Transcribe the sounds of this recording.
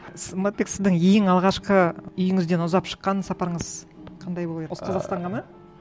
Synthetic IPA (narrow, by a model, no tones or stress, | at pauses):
smot̪̚beksɪzd̪ɪŋjejɪŋɑlˠʁɑʃqəʏjɪŋɪzd̪e̞nʊzɑpʃə̥qːɑnsɑpɑɾəɴəz̥ | qʰɑnd̪ɑjbolˠeqʰɑzɑqst̪ɑɴʁʰɑnɑ